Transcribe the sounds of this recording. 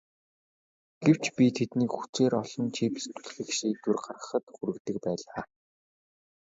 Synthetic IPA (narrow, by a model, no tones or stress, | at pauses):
ɡ̥ew̥t͡ɕpʲit̪ʰet̪niːkxu̥t͡seːɾɔɮɞ̆nt͡ɕʰipe̥st̪ŭ̥ɮxɘ̆xʃiːt̪urɢarə̆χə̆t̪xuɾɘ̆kt̪ɘ̆kpæːɮaː